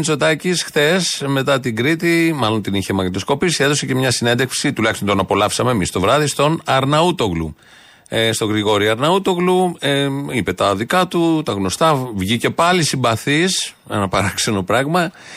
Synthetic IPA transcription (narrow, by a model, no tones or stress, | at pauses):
nt͡so̞t̪ɐcisxθe̞sme̞t̪ɐt̪iŋɡɾit̪imɐlo̞nt̪iniçemɐkt̪osko̞pisieðo̞se̞ce̞mɲɐsinend̪eksit̪ulɐçist̪ont̪o̞nɐpo̞lɐfsɐme̞ːmist̪o̞vɾɐðist̪o̞nɐɾnɐut̪o̞ɣlṵ | st̪o̞ɣɾiɣo̞ɾiɐɾnɐut̪o̞ɣlueipe̞t̪ɐðikɐt̪ut̪ɐɣno̞st̪ɐvʝice̞pɐlisimbɐθis | ḛnɐpɐɾɐkse̞no̞pɾɐɣmɐ